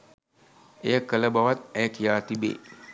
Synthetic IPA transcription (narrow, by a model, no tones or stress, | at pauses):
ejəkələbaʋat̪̚ɛjəkijaːt̪ibḛː